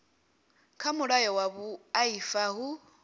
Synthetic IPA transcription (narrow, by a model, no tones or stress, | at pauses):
kʰamuɺajɔwaβuaifaɦu